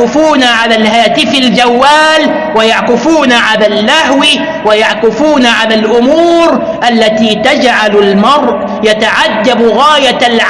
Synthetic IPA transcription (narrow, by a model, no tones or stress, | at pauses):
ɪfuːnaʕalaːlhaːt̪ɪfald͡ʒawːaːl | wajaʕqɪfuːnaʕalaːlːahwɪ | wajaʕkɪfuːnaʕalaːlʔʊmuːɾ | ʔalːat̪iːt̪ad͡ʒʕalalmɑɾˤʔ | jat̪aʕad̪ːabɣaːjalʕ